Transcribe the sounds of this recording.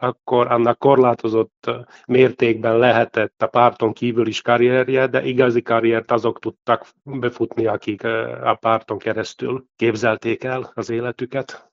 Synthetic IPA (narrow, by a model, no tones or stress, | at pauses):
ɒkːo̞ɾɒnːɒkːo̞rlaːt̪o̞zo̞t̪ː | meːrt̪eːɡ̚bɛnlɛɦɛt̪ɛt̪ːɒpɑːrt̪o̞ŋkiːvyliʃkɑɾijɛrjɛd̪ɛ̰ʔiɡɒzikɑɾijɛrt̪ɒzo̞kt̪ut̪ːɒk | bɛfut̪niɒkikɒ̰paːrt̪o̞ŋkɛɾɛst̪y̰lkeːbzɛlt̪eːkɛlɒzeːlɛt̪ykɛt̪